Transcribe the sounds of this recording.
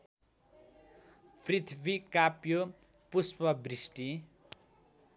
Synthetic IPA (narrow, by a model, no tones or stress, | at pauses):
prit̪ʰbikapjo | puspʌbrisʈi